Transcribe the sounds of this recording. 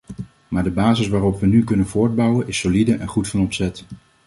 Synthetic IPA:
maːɹdəbaːzɪsʋaːrɔpʋənykɵnənvʊːɹd̚bʌwənʔɪsolidəʔɛnχutfɑnɔpsɛt

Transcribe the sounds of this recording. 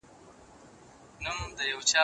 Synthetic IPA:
numd̪əjɐwt͡ʃaː

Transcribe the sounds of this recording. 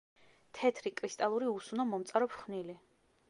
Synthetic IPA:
t̪ʰɛt̪ʰɾikʼɾist̪ʼalˠuɾiusunɔmɔmt̪sʼaɾɔpʰχnili

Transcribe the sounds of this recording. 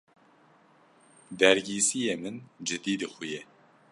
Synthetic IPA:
d̪ɛɾɡiːsijeːmɨnd͡ʒɨd̪iːd̪ɨxʷʊje

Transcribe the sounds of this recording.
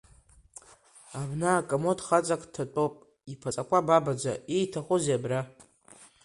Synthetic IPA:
abnaːkʼamotχat͡sʼakʼtʰat͡pʷʼopʼ | ipʰat͡sʼakʷababad͡za̰ejtʰaχʷʊzeabra

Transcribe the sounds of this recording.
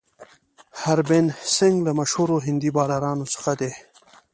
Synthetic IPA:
haɾbensɪŋɡlamaʃhuɾoɦɪnd̪ibɑːlaɾɑːnosə̥xad̪e

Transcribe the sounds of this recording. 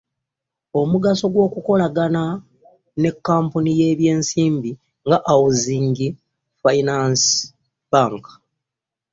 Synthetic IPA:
o̞muɡaso̞ɡwo̞ːkuko̞laɡana | ne̞kːaːmpunije̞ːβje̞ːnsiːmbi | ŋɡaʔawuziːŋɟi | fainans | b̥aːŋkḁ

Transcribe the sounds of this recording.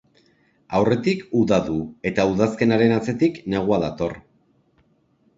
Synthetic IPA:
awre̞t̪ikuðaðue̞t̪auðaske̞naɾe̞nat͡se̞t̪ikne̞ɣ̞uaðat̪o̞r

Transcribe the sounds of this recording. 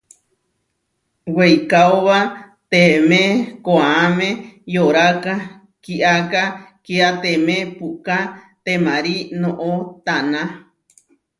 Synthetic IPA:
wejkaoβa | t̪emekoaamẽjoɾaka | kiʔakakiat̪emẽpuka | t̪emãɾinõʔot̪anã

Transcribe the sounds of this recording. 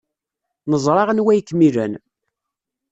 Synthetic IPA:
nəzˤɾˤɑʁənwæjkːmilən

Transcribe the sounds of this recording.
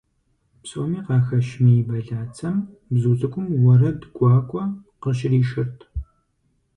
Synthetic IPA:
psʼoːmiːqɑːxɐʃmijɪbɐɮaːt͡sʰɐm | bzuːt͡sʼɨkʷʼʊmwɐrɐdɡʷɑːkʷʼɔqəɕɪriːʃɪrtʰ

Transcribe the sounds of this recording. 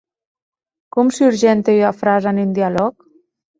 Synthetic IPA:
kɔmsuɾʒɛnt̪eafɾazanind̪ialɔk

